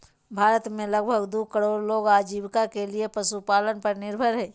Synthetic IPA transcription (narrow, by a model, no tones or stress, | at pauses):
bʱaːɾət̪mẽləɡ̚bʱəɡd̪uːkəɽoːɾloːɡaːd͡ʒiːbkakeliepɐsupaːlənpɐɾnɪɾbʱəɾɦɛ̃ː